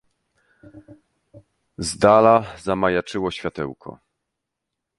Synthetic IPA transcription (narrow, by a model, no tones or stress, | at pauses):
zd̪alazamajat͡ʂɘwɔɕfʲjat̪ɛ̰wkʰɔ̰